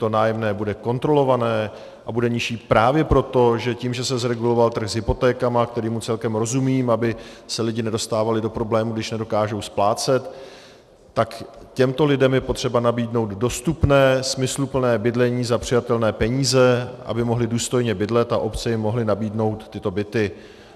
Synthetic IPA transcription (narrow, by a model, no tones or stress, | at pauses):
t̪o̞naːjɛmnɛːbudɛko̞nt̪ɾo̞lo̞vanɛː | ʔabudɛɲɪʃiːpɾaːvjɛpɾo̞t̪o̞ʒɛciːmʒɛsɛzɾɛɡulo̞valt̪r̩ɣzɦɪpo̞t̪ɛːkamak̚t̪ɛɾiːmut͡sɛlkɛmɾo̞zumiːmabɪsɛlɪɟɪnɛdo̞st̪aːvalɪdo̞pɾo̞blɛːmuɡdɪʃnɛdo̞kaːʒo̞wsplaːt͡sɛt̪ː | ak | cɛmt̪o̞lɪdɛmjɛpo̞t̪r̥ɛbanabiːdno̞wt̪do̞st̪upnɛːsmɪslupl̩nɛːbɪdlɛɲiːzapr̥ɪjat̪ɛlnɛːpɛɲiːzɛʔa̰bɪmo̞ɦlɪduːst̪o̞jɲɛbɪdlɛt̪aʔo̞pt͡sɛjɪmːo̞ɦlɪnabiːdno̞wt̪ːɪt̪o̞bɪt̪ɪ